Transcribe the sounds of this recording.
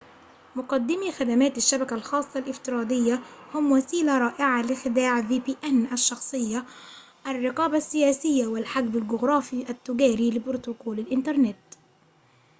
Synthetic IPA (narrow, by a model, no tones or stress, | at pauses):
mʊqɑd̪ːɪmixad̪amaːt̪aʃːabakalxɑːsˤːɑlʔɪft̪ɪɾˤɑːd̪ɪjːahʊmwasiːlaɾˤɑːʔɪʕalɪxɪd̪aːʕviːpiːʔanʔaʃːɑxsˤɨjːa | ʔarˤːɑqɑːbasːɪjæːsɪjːawɪlħaɡbalɡʊɣɾˤɑːfiʔat̪ːʊɡaːɾiːlɪbʊɾt̪ʊkoːlalʔɪnt̪ɑɾˤnɪt̪